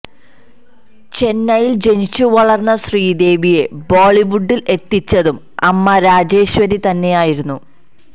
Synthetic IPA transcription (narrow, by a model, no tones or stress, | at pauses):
t͡ɕe̞nːɐjild͡ʑe̞nit͡ɕːuʋɐɭɐrnːɐɕriːd̪e̞ːʋije̞boːɭiʋuɖːile̞t̪ːit͡ɕːɐðum | ɐmːɐɾaːd͡ʑe̞ːɕʋɐɾit̪ɐnːe̞jaːjiɾunːu